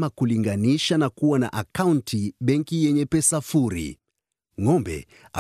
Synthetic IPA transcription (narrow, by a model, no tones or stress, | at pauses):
makuliŋɡaniʃanakuwana̰ʔakauntʰiɓɛŋkijɛɲɛpɛsafuɾḭ | ŋɔmbɛ̰ | a̰